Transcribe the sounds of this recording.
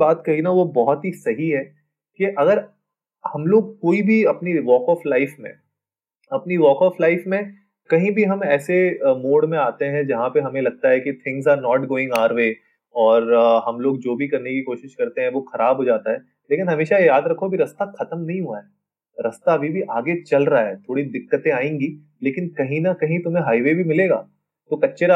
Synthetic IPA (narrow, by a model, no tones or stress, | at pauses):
baːt̪kɐɦinaʋobɔɦɔt̪ɦisɐɦiɦɛː | kiʔɐɡəɾ | hɐmloːɡ̚koːibʱiɐpniʋɔːkɔːflaɪfmḛ̃ | ɐpniʋɔːkɔːflaːɪfmẽ | kɐɦĩbʱiɦɐmɛːsemoːɽmẽaːt̪eɦɛ̃d͡ʒɐɦãpeɦɐmẽlɐɡ̚t̪aɦɛkit̪ʰɪ̃ŋɡzaːnɔːʈɡoːɪ̃ŋɡaːɾʋeː | ɔːɾɦɐmloːɡ̚d͡ʒoːbʱikɐɾnekikoːʃɪʃkɐɾt̪eɦɛ̃ʋoxɐɾaːbʱɦoːd͡ʒaːt̪aɦɛː | leːkɪnɦɐmeːʃajaːd̪ɾɐkʰːobiɾɐst̪axɐt̪əmnɐɦĩɦuaɦɛː | ɾɐst̪aɐbʱibʱiʔaːɡet͡ʃɐlɾɐɦaɦɛːt̪ʰoːɽid̪ɪkːət̪ẽaːẽːŋɡiː | leːkɪnkɐɦĩnɐkɐɦĩt̪ʊm̤ẽɦaːiʋebʱimɪleːɡa̰ː | t̪okɐtːʃeɾa